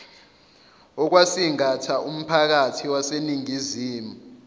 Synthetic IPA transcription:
ɔk̬wasiŋatʰaum̩pʰak̬atʰiwaseniŋiziːmu

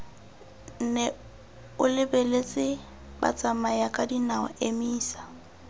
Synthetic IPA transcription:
n̩nɛ | ʊlɪbelet͡sʼɪ | ba̰t͡sʼamajakʼadinaɔ̰emiːsḁ

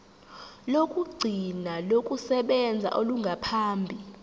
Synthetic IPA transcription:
lokʼuɡ͡ǀʱinalokʼusɛɓɛnd͡zʱa̰ʔoluŋɡʱapʰaːmbʱi

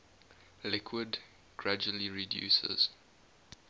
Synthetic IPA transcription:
lɪkʰwəd | ɡ̥ɹad͡ʒuəliɹidjṵːsə̰z̥

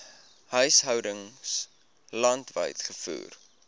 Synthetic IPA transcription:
hœɥsɦœwdəŋs | lɐntvə̰jtχəfṵːr

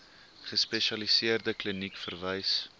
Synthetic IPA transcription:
χəspɛʃɐlisiərdəklənikfərvəjs

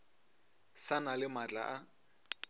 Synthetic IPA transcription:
sanalɪmat͡ɬʼa̰ʔa

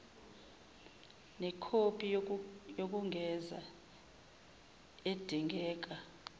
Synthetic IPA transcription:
nɛkʰopʰʼijok̬ʼuŋʱɛza̰ | ed̥ʱiŋɡɛːk̬ʼa

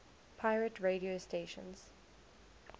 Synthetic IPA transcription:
pʰaɪɹətʰɹeːɾiosteːʃə̰̃nz̥

